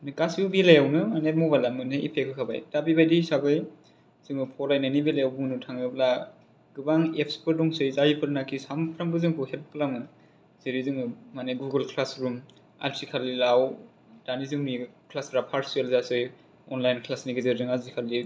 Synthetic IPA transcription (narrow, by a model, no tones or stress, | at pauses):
nɯkasiwbelajawnɯmanemɔbalamɯneḭpʰekʰɯkʰaba̰jtabibajdisabɯj | z̥ɯŋɯpʰɔɾajnanibelajawbuŋnutʰaŋɯbla | ɡ̥ɯbaŋepʰspʰɯɾdɔŋsɯjzajipʰɯɾnakʰisampʰɾaŋbɯzɯŋpʰɯhel̚klaŋmɯ | z̥iɾizɯŋɯmaneɡuɡɯlkʰlasɾum | a̰lsikʰalilaw | danizɯŋnikʰlasɾapʰaɾsialzasɯj | ɔnlajnkʰlasniɡezɯɾzɯŋazikʰalːi